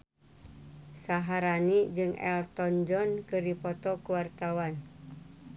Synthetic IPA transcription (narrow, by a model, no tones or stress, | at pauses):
saɦaɾanid͡ʒɨŋɛ̰lt̪ɔnd͡ʒɔnkɨripɔt̪ɔkuwart̪awan